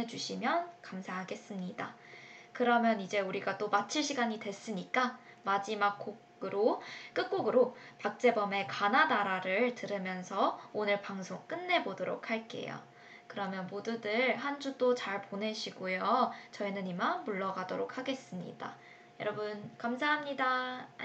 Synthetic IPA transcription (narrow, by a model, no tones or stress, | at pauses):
ed͡ʑuɕʰimjʌnkamsʰaɦaɡe̞s͈ɯmɲida | kɯɾʌmjʌnid͡ʑe̞uɾiɡat͈omat͡ɕʰiɭɕʰiɡaɲidwe̞s͈ɯɲik͈a | mad͡ʑimak͈ʰoɡɯɾok͈ɯk̚k͈oɡɯɾopak̚t͡ɕ͈e̞bʌme̞kananaɾaɾɯɭtɯɾɯmjʌnsʰʌonɯɭpaŋsʰoŋk͈ɯnːe̞bodoɾo̰kʰhaɭk͈e̞̰jo̰ | kɯɾʌmjʌnmodudɯɭɦand͡ʑud͈ot͡ɕaɭpone̞ɕʰiɡojot͡ɕʌinɯnimaŋmuɭːʌɡadoɾokʰhaɡe̞s͈ɯmɲḭda̰ | jʌɾʌbɯnkamsʰaɦamɲida